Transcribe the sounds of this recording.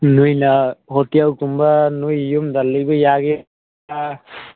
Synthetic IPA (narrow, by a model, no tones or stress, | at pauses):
nujnaɦɔtijawkumbanujjumdalːɯjbɯjaɡe | a